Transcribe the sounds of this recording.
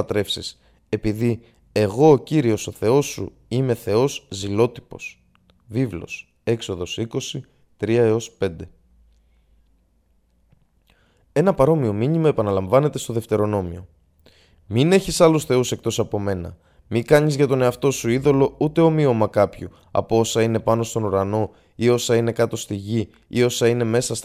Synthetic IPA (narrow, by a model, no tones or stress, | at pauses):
t̪ɾe̞fsis | e̞piði | e̞ɣo̞ːciɾio̞so̞θe̞o̞sṵ | ime̞θe̞o̞szilo̞t̪i̥po̞̰s | vivlo̞̰s | e̞kso̞ðo̞siko̞si | t̪ɾiɐe̞o̞spe̞nd̪e̞ | e̞nɐpɐɾo̞mio̞miɲimɐe̞pɐnɐlɐɱvɐne̞t̪e̞st̪o̞ðe̞ft̪e̞ɾo̞no̞mio̞ | mine̞çisɐlusθe̞use̞k̚t̪o̞sɐpo̞me̞nɐ̰ | mikɐɲizʝɐt̪o̞ne̞ɐft̪o̞suiðo̞lo̞ut̪e̞o̞mio̞mɐkɐpçu | ɐ̰poo̞sɐine̞pɐnost̪o̞nuɾɐno̞ | io̞sɐine̞kɐt̪o̞st̪iʝi | io̞sɐine̞me̞sɐs